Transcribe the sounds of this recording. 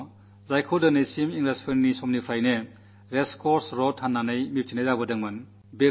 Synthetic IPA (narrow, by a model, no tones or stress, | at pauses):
zajkʰodɯnejsimiŋɡlaspʰennisɔmnipʰɾajne | ɾeskʰɔɾsɾɔtʰhanːanɯjmip̚tʰinejzabɯdɯŋmɯn | be